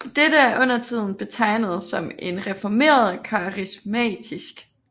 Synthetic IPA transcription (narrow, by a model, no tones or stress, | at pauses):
d̥edəæɐʔɔ̽n̰ɐt͡sʰið̞̰ˠn̩b̥e̝t͡sʰɑ̈ɪ̰nəð̞̩ˠsɒ̽me̝nʁɛfɒme̝̰ːɐð̞̩ˠkʰɑ̈ʁismɛ̰ːd̥isɡ̥